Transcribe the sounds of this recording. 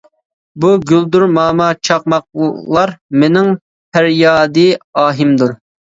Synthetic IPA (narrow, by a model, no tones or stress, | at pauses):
buɡʲyld̪uɾmɑːmɑt͡ʃʰɑq̚mɑq̚lˠɑɾmenɪŋ | pʰæɾjɑːd̪ɨɑːɦimd̪uɾ